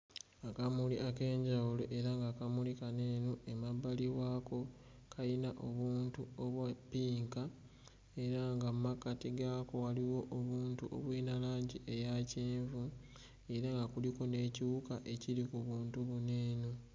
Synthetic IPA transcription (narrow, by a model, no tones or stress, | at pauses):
akamuliʔake̞ːɲɟawuloʔe̞ɾaŋɡakamulikane̞ːnoe̞mabaliwaːko̞ | kʰajinaʔo̞βuːntuoβwapiːŋka | e̞ɾaŋɡammakatiɡako̞waliwo̞ʔːβuːntuʔo̰βwiːnalaːɲɟiʔe̞jaceːɱvu | e̞ɾaŋɡakuliko̞ne̞ːciβukaʔe̞ciɾikuβuːntuβuneːno